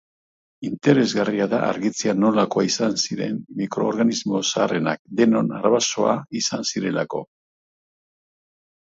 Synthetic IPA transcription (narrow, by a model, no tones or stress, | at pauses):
int̪e̞ɾe̞zɣariaðaʔa̰ɾɣit͡seano̞lako̞aisansiɾe̞̰mːikɾo̞ːɾɣanizmo̞saːre̞nak̚d̪e̞no̞naɾβaso̞aisansiɾe̞lako̞̰